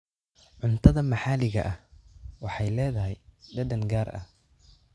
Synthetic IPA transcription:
ʕʊnt̪ʰɐðɐmɑħɑːlɪɣɐ̰ʔɐhwɑħɑjlɛːðɐɦɛjɖɐd̪ɐnɡaːrʔɐ̰h

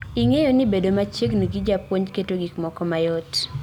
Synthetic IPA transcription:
iŋejonɪbedomat͡ʃjeɡniɡid͡ʒapwoɲketoɡikmɔkɔmajɔt

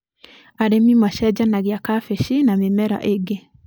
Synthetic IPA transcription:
aɾemimɔʃɛd͡ʒanaɣiakafeʃinamemɛɾa̰ʔeɡe

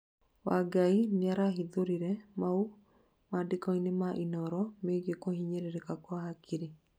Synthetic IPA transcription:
waɡaineaɾaɦiðoɾiɾɛmau | madikɔinemaʔinɔɾɔmeɡekohiɲeɾeɾekakwaɦakʰiɾi

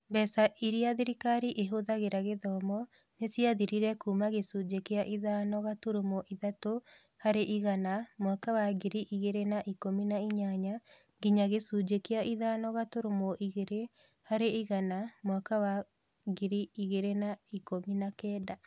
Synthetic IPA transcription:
bɛsaʔiɾiaðiɾikaɾiʔeɦoðaɣeɾaɣeðɔmɔ | nesiaðiɾiɾɛkumaɣesud͡ʒekeaʔiðanɔɣatoɾomoʔiðato | haɾeʔiɣanamwakawaɡiɾiʔiɣeɾenaʔikominaiɲaɲa | ɡiɲaɣesuːd͡ʒekeaʔiðaːnɔɣatoɾomoʔiɣeɾe | haɾeiɣanamwakawa | ɡiɾiiɣeɾenaikominakɛːda

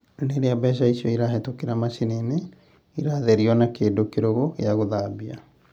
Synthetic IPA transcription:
neɾeabɛʃ̬aisiɔiɾaɦɛtokeɾamaʃenene | iɾaðɛɾiɔnakeːdokeɾoɣoḛaɣoðabia̰

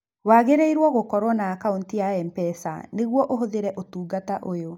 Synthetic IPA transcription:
waːɣeɾeiɾwɔɣokɔɾwɔnakaontiaɛmpɛsa̰neɣwɔʔoɦoðeɾɛʔotuːɡataʔojo

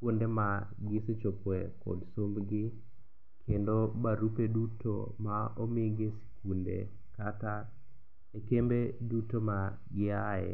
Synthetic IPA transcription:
kwondema | ɡɪset͡ʃopwekɔ̰dsombɡɪ | kʰendobaɾupedutʰo̰maɔmɪɡesi̥kundḛ | kata | ekembedutoma | ɡɪaɛ̰

